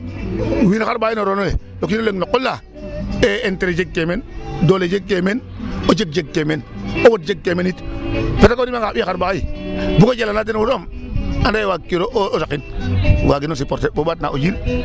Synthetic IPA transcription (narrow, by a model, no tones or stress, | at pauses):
winaxaɾbainoɾonole | lokinoleŋnokːolːa | eːnteɾed͡ʒeɡ̚kemendoled͡ʒeɡ̚kːemen | od͡ʒek̚d͡ʒeɡ̚kemenowot̚d͡ʒeɡ̚kemenitfetakoɾimaŋɡabixaɾbaibukod͡ʒelanat̬enwuɾomandajwakːiɾosakinwaɡinos̬ipoɾtebobat̚na̰od͡ʒil